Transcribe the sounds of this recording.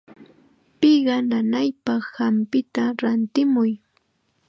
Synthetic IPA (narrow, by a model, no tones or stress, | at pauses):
pɪɢɑnanajpɑχhampɪt̪aɾant̪ɪmʊj